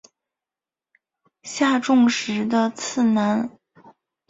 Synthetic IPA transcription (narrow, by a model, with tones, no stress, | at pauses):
ɕja˥˧ʈ͡ʂʊ˥˧ŋʂɻ̩˧˥d̪ə˧t͡sʰɹ̩˥˩na˧˥n